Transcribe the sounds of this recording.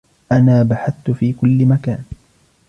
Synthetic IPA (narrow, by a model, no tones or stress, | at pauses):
ʔanaːbaħaθt̪ʊfiːkʊlːɪmakaːn